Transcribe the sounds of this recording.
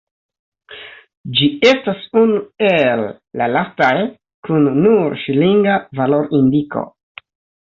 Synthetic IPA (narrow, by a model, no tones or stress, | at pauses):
d͡ʒiestasunuelː | alastaj | kunːuɾʃiliŋɡavalo̞ɾindiko̞̰